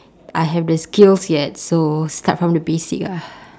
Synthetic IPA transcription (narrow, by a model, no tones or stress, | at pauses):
ʔajɦɛvdəskilsjɛt̚sostatfɹɔ̃mdəbesḭka